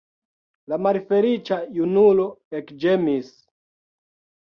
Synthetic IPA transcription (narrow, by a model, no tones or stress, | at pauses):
lamaɾifelit͡ʃajunuloekd͡ʒemis